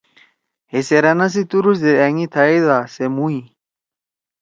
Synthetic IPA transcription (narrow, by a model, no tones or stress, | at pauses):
heseɾanas̬it̪uɾusd̪eaŋit̪ʰaiðasemui